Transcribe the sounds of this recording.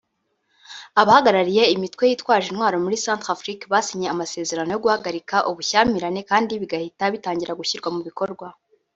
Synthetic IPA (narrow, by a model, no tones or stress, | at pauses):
aβahaɡaɾaɾije̞imitwe̞jiːtwaːʒinhwaːɾo̞muɾisaːntafɾikβasiɲe̞amase̞ːze̞ɾano̞jo̞ɡuhaɡaɾikaʔuβuçaːmiɾane̞kaːndiβiɡahitaβitaːɲɟiɾaɡuçiɾɡwamuβiko̞ɾɡwa